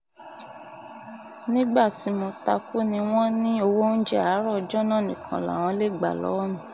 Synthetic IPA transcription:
nĩ˦ɡ͡ba˦˨ti˨˦mo˧ta˧ku˦nĩ˧w̃ɔ̃˦nĩ˦o˧wo˦n̩˦d͡ʒɛ˦˨a˨˦ɾɔ˦˨d͡ʒɔ˦nã˦˨nĩ˨kʰã̰˨la̰˨w̃ɔ̃˧le˦ɡ͡ba̰˨lɔ̰˨˦ɔ˦nũ˦˨

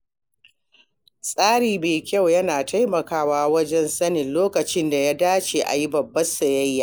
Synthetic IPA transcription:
sʼaː˦ɽiː˨meː˨kʲa˦˨wjɐ˦naː˨tʰa˦jmɐ˨kaː˦waː˦wɐ˦d͡ʒɛ˦nsɐ˦nɪ˨nloː˦kɐ˨t͡ʃɪ˦nda˨jaː˦daː˦t͡ʃeː˨ʔa̰˨ji˦bɐ˨bːɐ˦sɐ˨jɐ˦jːaː˨

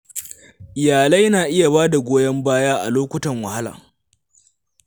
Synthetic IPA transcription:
ʔɪ˨jaː˨lɐ˦jnaː˨ʔɪ˦ja˨baː˦da˨ɡʷoː˦jɐ˦mbaː˦jaː˦ʔa̰˨loː˦kʷʊ˦tɐ˨ŋwɐ˨ha˦la̰ː˨

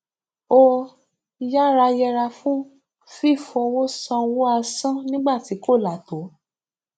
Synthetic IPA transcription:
o˧ | ja˦ɾa˧jɛ˧ɾa˧fũ˦ | fi˦˨fɔ˧wo˦sã˧wo˦a˧sã˦nĩ˦ɡ͡ba˦˨ti˨˦ko˦˨la˨to˨˦

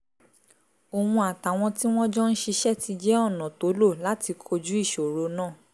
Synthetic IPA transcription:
o˨hũ˧a˨ta˨w̃ɔ̃˧ti˦w̃ɔ̃˦d͡ʒɔ˦n̩˦ʃi˧ʃɛ˦˨tʰi˧d͡ʒɛ˦ɔ˦˨nã˨to˨˦lo˦˨la˨˦ti˧kʰo˧d͡ʒu˦i˦˨ʃo˨ɾo˧˦nãː˦˨

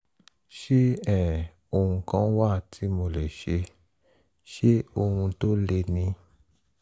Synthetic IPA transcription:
ʃe˦ɛ˦˨ | o˧˨ũ˧kã˦wa˦˨tʰi˨˦mo˧˨lɛ˨ʃe˧ | ʃe˦o˧hũ˧to˦le˧nĩ˧

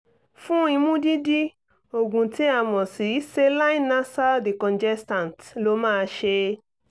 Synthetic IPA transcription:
fũ˦ĩ˧mũ˦di˦di˦ | o˨ɡũ˨ti˦a˨mɔ̃˨si˨i˦se˦la˦ĩ˦na˦sa˦de˨kɔ̃˨nd͡ʒɛ˦stã˨tlo˧˦mãː˦˧ʃe˧

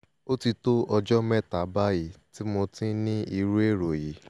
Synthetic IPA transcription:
o˦ti˧to˦ʔɔ˧d͡ʒɔ˦mɛ˦˨ta˨˦ba˦ji˦˨ti˦mo˧tĩ˦nĩ˦i˧ɾu˦e˦˨ɾo˨ji˨˦

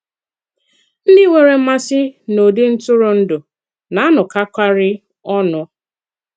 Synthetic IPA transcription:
n̩˦dɪ˦wʷe˨ɾe˨˦ma˦sɪ˦no˨dɪ˦n̩˦tʊ˦ɾʊ˨n̩˦dʊ˨ | na˨˦a˦nʊ˨ka˦kʷa˦ɾɪ˦ | ɔ˦nʊ˨

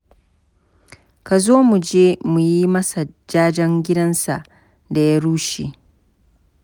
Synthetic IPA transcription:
ka˨zoː˦mu˨d͡ʒeː˦mu˨ji˦mɐ˦sa˨d͡ʒaː˦d͡ʒɐ˦ŋɡʲɪ˦dɐ˦nsa˨ | da˨ja˦ɾuː˦ʃi˨

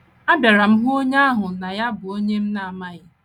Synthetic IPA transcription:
a˦ba˨ɾa˨m̩˦ɦo˦ɲ˦a˦ɦʊ˨na˨ja˦bʊ˨o˦ɲe˦m̩˦na˨a˨ma˦ɣɪ˦

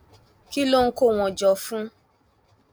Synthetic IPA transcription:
ki˦lo˦ŋ̩˦ko˦˨w̃ɔ̃˨d͡ʒɔ˧fũ˦

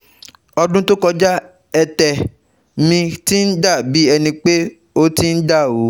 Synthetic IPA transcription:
ɔ˧dũ˦to˦kɔ˧d͡ʒa˦ | ɛ˧tɛ˨ | mĩ˧ti˦n̩˦da˦˨bi˨˦ɛ˧nĩ˧k͡pe˦ | o˦ti˦n̩˦da˦˨o˨˦

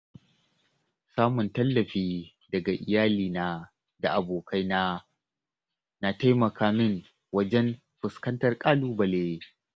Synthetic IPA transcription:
saː˦mʊ˨ntɐ˦lːɐ˨ɸiː˦ | dɐ˨ɡa˨ʔɪ˨jaː˦liː˨naː˦ | da˨ʔa˨boː˨kʰa˦jna˦ | na˨ta˦jmɐ˨kʰaː˦mɪ˦ŋ | wɐ˦d͡ʒɛ˦n | ɸʊ˨skɐ˦ntɐ˨rkʼaː˦luː˦bɐ˨leː˦

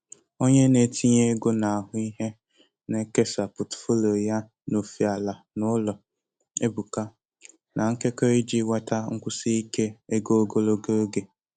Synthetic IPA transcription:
o˦ɲe˦ne˨tʰi˦ɲe˦ɡo˦na˨a˨ɦʊ˦i˦ɦe˦ | ne˦ke˦sa˨pʊ˨tfo˦lo˨ja˦ | no˨fi˨a˨la˨ | nʊ˦lɔ˨ | e˦bu˨ka˦ | nʔa˨ŋ̩˦ke˦ko˦i˦d͡ʒi˦wa˦ta˦ŋ̩˦kʷʊ˦si˦i˦ke˦e˦ɡo˦o˦ɡo˦lo˦ɡe˦o˦ɡe˨

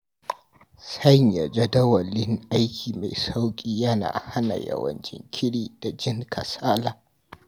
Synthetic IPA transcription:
sɐ˦ɲja˨d͡ʒɐ˦dɐ˦wɐ˨lɪ˦ŋʔa˦jkʲʰiː˨ma˨jsa˦wkʲʼiː˦jɐ˦na̰ː˨ha˦na̰˨jɐ̰˨wɐ̰˨nt͡ʃɪ̰˦ŋkʲʰɪ˦ɽiː˦d̥a˨d͡ʒɪ˦ŋkʰɐ˨saː˦laː˨

